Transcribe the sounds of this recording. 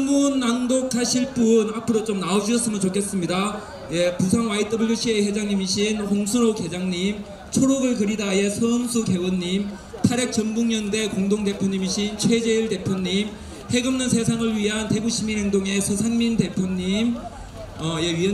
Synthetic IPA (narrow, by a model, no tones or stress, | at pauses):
munːandokʰaɕʰiɭp͈unapʰɯɾot͡ɕomnaod͡ʑiʌs͈ɯmɯnt͡ɕokʰe̞s͈ɯmɲida | je̞pusʰaŋwait̚d͈ʰʌbuɭjuɕʰiehwe̞d͡ʑaŋɲimiɕʰinhoŋsʰuɾoke̞d͡ʑaŋɲim | t͡ɕʰoɾoɡɯɭkɯɾidaje̞sʰʌmsʰuke̞wɯnːim | tʰaɾek̚t͡ɕʌnbuŋɲʌnde̞koŋdoŋde̞pʰjoɲimiɕʰint͡ɕʰwed͡ʑe̞iɭde̞pʰjoɲim | he̞ɡɯmnɯnsʰe̞sʰaŋɯɭɥiɦante̞ɡuɕʰimiɾeŋdoŋe̞sʰʌsʰaŋminte̞pʰjoɲːim | ʌjeɥiʌ